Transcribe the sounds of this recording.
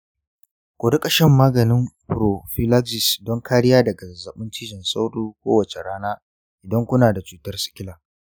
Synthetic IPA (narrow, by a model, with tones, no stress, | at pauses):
kʷoː˨dʊ˦kʼɐ˨ʃɪ˦mːaː˦ɡɐ˨nɪ˦mpʊ˨ɾo˨ɸi˦la˦ɡzɪ˨sdɔ˦ŋkʰaː˦ɽɪ˦jaː˦dɐ˨ɡa˨zɐ˨ɓʊ˦ntɪ˦ʒɪ˨nsa˦wɽuː˦kʷoː˦wɐ˨t͡ʃe˨ɽaː˦naː˦ | ʔɪ˨dɐ˦ŋkʷʊ˦naː˨da˨t͡ʃuː˦tɐ˦rsɪ̥˦kʲɪ˦laː˨